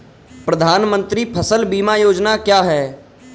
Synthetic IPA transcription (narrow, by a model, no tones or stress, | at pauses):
pɾəd̪ʱaːnmə̃nt̪ɾipʰəsəlbiːmajoːd͡ʒnakjaːɦɛː